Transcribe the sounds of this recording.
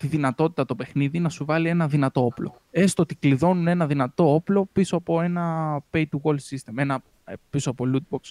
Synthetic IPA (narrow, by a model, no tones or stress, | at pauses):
t̪iðinɐt̪o̞t̪i̥t̪ɐt̪o̞pe̞xniðinɐsuvɐlie̞nɐðinɐt̪o̞oplo̞ | est̪o̞t̪ikliðo̞nune̞nɐðinɐt̪o̞o̞plo̞pisoɐpo̞e̞nɐpejt̪uɣo̞lsist̪eme̞nɐ | pisoɐpo̞lut̪̚boks